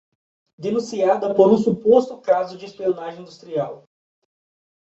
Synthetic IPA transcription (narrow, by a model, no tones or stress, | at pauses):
d̪enũsiad̪ɐpoɾũsupost̪ʊkazʊd͡ʒɪespionaʒẽĩd̪ust̪ɾiaw